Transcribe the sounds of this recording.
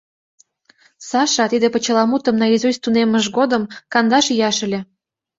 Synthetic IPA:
sɑʃɑt̪id̪epə̆t͡ɕə̆lɑmut̪ə̆mnɑjizust̪uneməʒɡod̪ə̆mkɑnd̪ɑʃjɑʃə̆lʲĕ

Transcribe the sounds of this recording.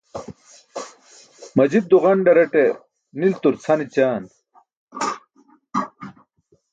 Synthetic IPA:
mɐd͡ʑid̪̚d̪uʁɐɳɖɐɾeʈe | nilt̪uɾt͡sʰɐnit͡ɕaːn

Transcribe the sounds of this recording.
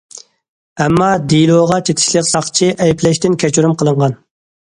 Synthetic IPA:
ɛmːɑd̪ilˠoʁɑt͡ʃʰet̪ʰɪ̥ʃlˠəqsɑχt͡ʃʰiʔɛjpʰlɛʃt̪ɪnkʲʰɛt͡ʃʰuɾumqʰəlˠəɴʁɑn

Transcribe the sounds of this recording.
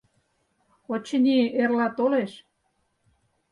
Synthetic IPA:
ot͡ɕə̆nʲierlɑt̪oleʃ

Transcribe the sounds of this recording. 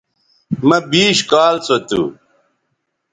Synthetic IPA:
mɐbiːɕkaːlt͡sot̪ṵ

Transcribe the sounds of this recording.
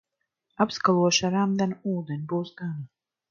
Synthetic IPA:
apskalˠuɔʃaɾamd̪anuuːd̪ɛnʲibuːsɡana

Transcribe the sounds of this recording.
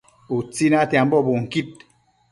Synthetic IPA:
ut͡sinatiam̩bɔboŋ̩kit̚

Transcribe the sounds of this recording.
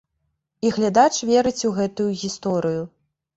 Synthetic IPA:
iɣlʲad̪at͡ʂvʲɛɾɨt͡sʲuɣɛt̪ujuɣʲist̪ɔɾɨju

